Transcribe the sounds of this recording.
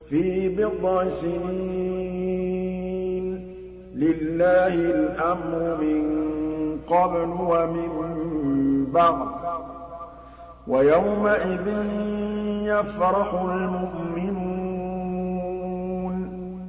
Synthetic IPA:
fiːbɪd̪ˤɑsɪnii | n | lɪlːaːhɪlʔamɾʊmɪnqɑblʊwamɪm | baɣd̪ | wajawmaʔɪðɪn | jafɾˤɑħʊlmʊʔmɪnu | n

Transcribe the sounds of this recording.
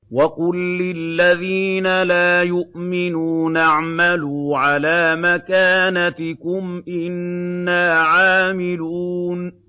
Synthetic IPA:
wɑqʊlːɪlːaðiːnalaːjʊʔmɪnuːnaʕmaluːʕalaːmakaːnat̪ɪkʊmʔɪnːaːʕaːmɪluːn

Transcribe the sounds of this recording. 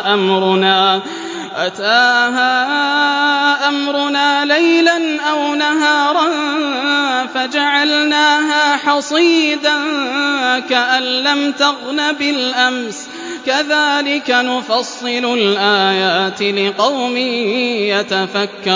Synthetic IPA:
ʔamɾʊnaː | ʔat̪aːɦaː | ʔamɾʊnaːlajlanʔawnaɦɑːɾˤɑn | fad͡ʒaʕalnaːɦaːħɑsˤiːd̪an | kaʔanːamt̪ɑɣlabɪlʔams | kaðaːlɪkanʊfɑsˤːɨlʊlʔaːjaːt̪ɪlɪqɑwmiːjat̪afakːɑ

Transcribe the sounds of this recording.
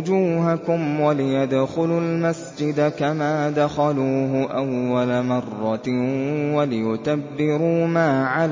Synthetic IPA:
d͡ʒuːɦakʊmwalɪjad̪xʊlʊlmasd͡ʒɪd̪akamaːd̪axaluːɦʊʔawːalamɑrˤːɑ | walɪjʊt̪abːɪɾuːmaːʕal

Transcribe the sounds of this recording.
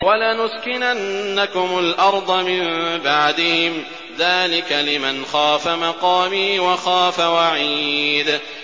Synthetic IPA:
walanʊskɪnanːakʊmʊlʔɑɾˤd̪ˤɑmɪmbaʕd̪ɪhɪm | ðaːlɪkalɪmanxaːfamɑqɑːmiːwɑxaːfawaʕiːd̪

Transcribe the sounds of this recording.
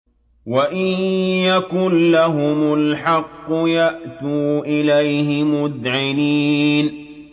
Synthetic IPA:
waʔɪnjakʊnlaɦʊmʊlħɑqːʊjaʔt̪uːʔɪlajɦɪmʊd̪ʕɪniːn

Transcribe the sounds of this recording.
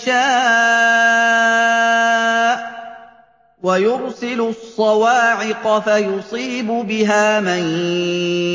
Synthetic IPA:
ʃaː | ʔ | wajʊɾsɪlʊsˤːɑwaːʕɪqɑfajʊsˤiːbʊbɪɦaːman

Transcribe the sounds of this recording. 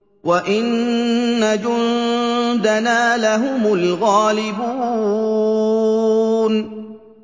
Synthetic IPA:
waʔɪnː | ad͡ʒʊnnd̪anaːlaɦʊmʊlɣaːlɪbuː | n

